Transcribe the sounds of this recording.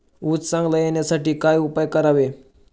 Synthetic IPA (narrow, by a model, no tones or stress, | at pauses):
ut͡ssãŋɡləjenjasaʈiːkajupajkəɾaʋe